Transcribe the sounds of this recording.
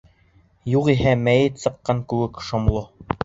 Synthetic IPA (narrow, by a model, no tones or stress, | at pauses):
juqiɦæmæjɘt̪sɤ̆qːɑŋkʉwɘkʃŏmlˠo